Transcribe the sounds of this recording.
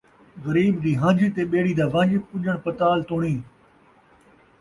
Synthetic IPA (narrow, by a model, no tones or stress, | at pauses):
ɣɐɾiːbd̪iːɦãːd͡ʒiːt̪eːɓeːɽiːd̪aːʋãːd͡ʒiːpʊʄəɽ̃pɐt̪aːlt̪oːɽɳiː